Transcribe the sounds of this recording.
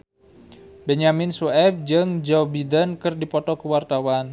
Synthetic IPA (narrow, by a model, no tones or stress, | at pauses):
bɛɲaminsuɛfd͡ʒɨŋd͡ʒɔbidənkɨrdipɔt̪ɔkəwart̪awan